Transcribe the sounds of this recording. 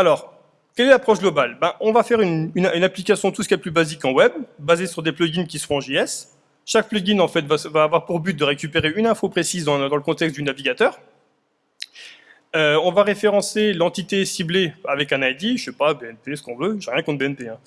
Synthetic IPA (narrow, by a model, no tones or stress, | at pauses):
alɔʁ | kʲɛlɛlapχɔʃɡlɔbalbɛ̃ʔɔ̃vafɛʁynynynaplikasjɔ̃t̪usə̥kʲiɛplybazikɑ̃wɛbːazesyʁd̪eplɔɡʲinkʲisə̥ʁɔ̃ɑ̃ʒiɛs | ʃak̚plɔɡʲinɑ̃fɛt̪vavaːvwaʁpuʁbyt̪̚d̪əʁekʲypeʁeynɛ̃fopχesizd̪ɑ̃d̪ɑ̃ləkɔ̃t̪ɛkst̪̚d̪ynaviɡʲat̪œːʁ | øɔ̃vaʁefeʁɑ̃selɑ̃t̪it̪esibleavɛkɛ̃najd̪iʃɛpabeɛnpesə̥kɔ̃vøʒɛʁjɛ̃kɔ̃t̪beɛnpeɛ̃